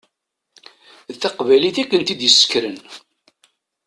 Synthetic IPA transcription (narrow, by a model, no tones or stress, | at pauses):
ðθɑqvæliθækːənt̪id̪jəsːə̥kɾən